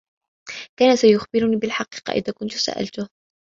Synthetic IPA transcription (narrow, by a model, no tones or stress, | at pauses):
kaːnasajʊxbɪɾʊniːbɪlħɑqiːqɑ̰ʔɪ̰ðaːkʊnt̪ʊ̥sa̰ʔa̰lt̪ʊh